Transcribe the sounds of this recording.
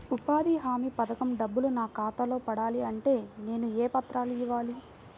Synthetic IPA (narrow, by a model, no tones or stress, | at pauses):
upaːd̪iɦaːmipɐd̪ɐkɐmɖɐbːulunaːkaːt̪ɐlo̞ːpɐɽaːliɐɳʈe̞ːne̞ːnueːpɐt̪ɾaːluiʋːaːli